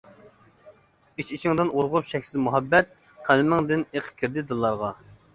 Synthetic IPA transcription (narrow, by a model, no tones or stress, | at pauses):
it͡ʃit͡ʃʰɪŋd̪ɨnʔoɾʁʊpʃɛkʲsɪzmuɦɑbːɛt̪̚ | qʰælmɪŋd̪ɪneqʰə̥p̚kʲʰiɾd̪ɪd̪ɨlˠːɑɾʁɑ